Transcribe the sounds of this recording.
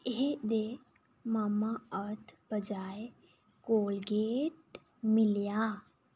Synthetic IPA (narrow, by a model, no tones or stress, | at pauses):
ɦed̪e | mamaət̪ʰbəd͡ʒaj | koːlɡeʈ̚ | milja